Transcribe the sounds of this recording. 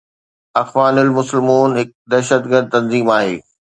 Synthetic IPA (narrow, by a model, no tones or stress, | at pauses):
ɐxʋaːnɪlmʊsɪlmuːnɦɪk̚d̪ɐːʃət̪ɡəɾd̪̚t̪ɐ̃nziːmaːɦḛː